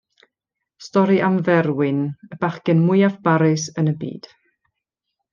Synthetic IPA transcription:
stɔɾiʔamvɛɾwɪnəb̥aχkɨnmʊjafb̥aɾɨsənəbḭːd̥

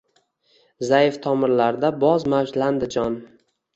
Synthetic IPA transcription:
zajɪft̪ʰɒmɪɾlaɾd̪abɒzmawd͡ʒland̪ɪd͡ʒɒn

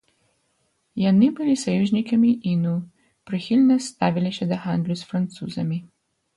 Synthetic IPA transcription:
janibilisɔjuʒnikamiʔinu | pɾɛxilʲnɛst̪aːʋiliʃɛd̪axand̪lʲusfɾant̪suːzɐmi

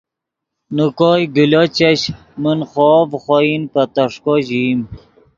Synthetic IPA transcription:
nukoːjɡulot͡ɕaɕ | munχɔːvχoinpat̪ɐʂkoʑim

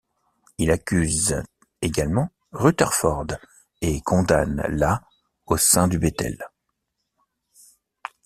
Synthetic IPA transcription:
ilakʲyz | eɡalmɑ̃ | ʁyt̪ɛʁfɔʁd̪ | ekʰɔ̃d̪anla | osɛ̃d̪ybet̪ɛ̰l

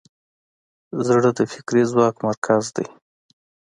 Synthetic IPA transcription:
zɽəd̪əfɪkɾizwɑkmaɾkʰazd̪aj

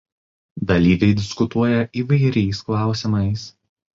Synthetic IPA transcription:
d̪ɐlʲiːʋʲɛɪd̪ʲɪskʊt̪uɔjɛʔiːʋɐɪɾʲɛɪsklˠɑˑʊsʲɪmɐɪs

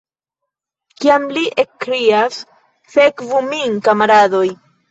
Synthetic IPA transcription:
kiamliʔekːɾias | fekvumiŋkamaɾado̞j

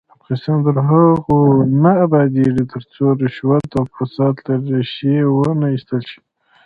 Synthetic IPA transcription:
afɑnist̪ɑnt̪əɾɦaɣonaːbɑd̪eʐit̪ʰəɾt͡soɾɪʃwat̪afasɑt̪laɾeʃjewənaist̪əlʃi̥

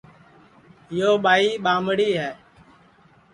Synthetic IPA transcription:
ɪjoːɓaːiːɓaːmɽiːɦɛː

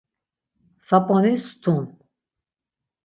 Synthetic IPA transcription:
sapʼɔnist̪ʰun

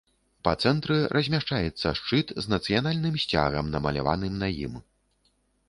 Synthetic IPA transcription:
pɐt̪sɛnt̪ɾɨɾʔɐzʲmʲaʂt͡ʂajɛt̪sːɐʂt͡ʂɨt̪znɐt̪sɨjanalʲnɨmsʲt͡sʲa̰ɣɐmnɐmɐlʲa̰va̰nɨmnɐjḭm

